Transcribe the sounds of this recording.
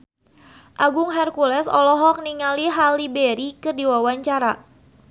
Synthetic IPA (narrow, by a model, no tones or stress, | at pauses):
ʔaɡʊŋɦɛrkulɛsɔ̰lɔɦɔk̚niŋaliɦalibɛɾikɨrdiwawaɲt͡ʃaɾa